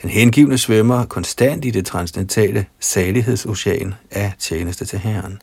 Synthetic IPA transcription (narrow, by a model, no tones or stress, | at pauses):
d̥enɦenɡ̥ḭʊnəsʋœmɐkʰɒ̽nsd̥æn̰d̥id̥e̝t͡sʰʁɑ̈nsdent͡sʰɛ̰ːləsɛːliɦe̝ð̞̰ˠso̝ɕɛ̰ːnæt͡ɕʰjeːnəsd̥ət͡sʰe̝lɦæɐn